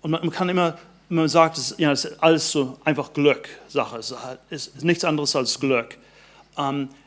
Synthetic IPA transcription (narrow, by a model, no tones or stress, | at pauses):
ʔʊ̃ntmanmankʰanɪmɐ | manzaːk̚tasjaːdasʔaləsz̥oːʔãɪ̃nfaχɡ̥lʏkz̥aχəsaɪssnɪçtt͡sʔandəʁəsalsɡ̥lʏk | ʔɛm